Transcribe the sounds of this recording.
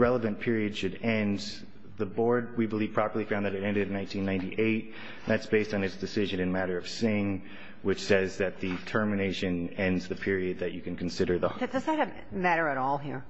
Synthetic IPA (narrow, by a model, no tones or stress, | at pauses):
ɹɛlˠəvɨ̃npʰɪɹiɨd̥ʃɨɾɛ̃n | ðəbɔɹd̚wibəli̥pʰɹ̥ɑpə˞lˠifãʊ̃nðɨɾɨɾɛ̃ndɨɾnːãɪ̃ntʰĩnːãɪ̃ntḭʔeɪt̚ | ðætsb̥eɪstn̩ɨtsd̥ɨsɪʒɨ̃nɨ̃nmæɾə˞ʌv̥sɪ̃ŋ | wɨt͡ʃsɛzðɨt̪̚ðɨtʰɜ˞mɨneɪʃɨ̃nɛ̃ndzðɨpʰɪɹiɨd̪̚ðɨt͡ʃɨkɨ̃n̩kʰn̩sɪɾə˞ðətɨsaɾɨ | mæɾə˞ɨɾɔlˠɦḭɹ